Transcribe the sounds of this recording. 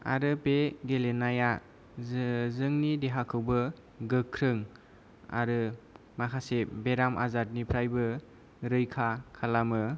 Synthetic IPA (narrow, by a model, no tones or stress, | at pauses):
a̰ɾɯpeɡelenaja | zɯŋnideɦakʰɯwbɯ | ɡɯkʰːɾɯŋ | a̰ɾɯ | makʰasebeɾamʔa̰zat̚nipʰɾajbɯ | ɾɯjkʰakʰalamɯ